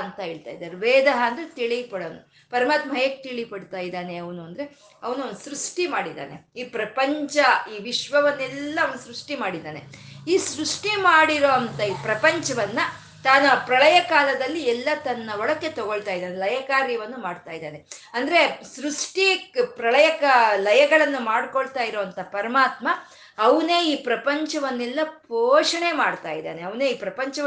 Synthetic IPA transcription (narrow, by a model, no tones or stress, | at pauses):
ɐnt̪ɐɦeːɭt̪a̰ːjd̪aːɾeʋeːd̪ɐɦɐːnd̪ɾet̪iɭijpɐɽoːnu | pɐɾɐmaːt̪mɐɐjek̚ːt̪iɭipɐɽt̪aːjid̪aːneɐʋɐnuɐnd̪ɐɾe̞ | ɐʋɐnuond̪usɾuʂʈimaːɽid̪a̰ːne̞iːpɾɐpɐɲt͡ʃɐiːʋiʃʋɐʋɐnːɛlːɐɐʋɐnusɾuʂʈimaːɽid̪aːneiːsɾuʂʈimaːɽiɾo̞ɐnt̪ɐiːpɾɐpɐɲt͡ʃɐʋɐnːɐ | t̪aːnɐpɾɐɭɐjɐkaːlɐd̪ɐlːiɛlːɐt̪ɐnːɐɔɭɐkːe̞t̪ɐɡoɭt̪aːjid̪aːnelɐjɐkaːɾjɐʋɐnːumaːɖt̪aːjid̪aːne̞ɐnd̪ɐɾe̞sɾuʂʈipɾɐɭɐjɐkalɐjɐɡɐɭɐnːumaːɽkoɭt̪aːjiɾoːɐnt̪ɐpɐɾɐmaːt̪mɐ | ɐʋɐne̞ːiːpɾɐpɐɲt͡ʃɐʋɐnːɛlːɐpoːʂɐɳe̞maːɽt̪aːjid̪a̰ːneɐʋɐneːiːpɾɐpɐɲt͡ʃɐʋ